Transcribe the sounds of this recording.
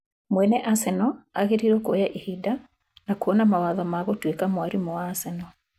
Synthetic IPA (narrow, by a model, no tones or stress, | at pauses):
mwɛnɛʔasɛnɔaɣeɾiɾokojaʔihida | nakuɔnamawaðɔmaɣotwekamwaɾimɔaːsɛnɔ